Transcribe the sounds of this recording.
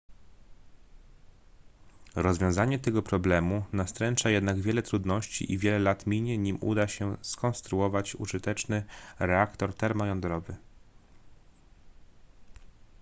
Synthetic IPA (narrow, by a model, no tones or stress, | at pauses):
ɾɔzvʲjɔ̃w̃zaɲɛt̪ɛɡɔpɾɔblɛmunast̪ɾɛnt͡ʂajɛd̪naɡvʲjɛlɛt̪ɾud̪nɔɕt͡ɕḭʔḭvʲjɛlɛlat̪mʲiɲɛɲimṵd̪aɕɛskɔnst̪ɾuɔvat͡ɕṵʐɘt̪ɛt͡ʂnɘɾɛakt̪ɔɾt̪ɛɾmɔjɔnd̪ɾɔvɘ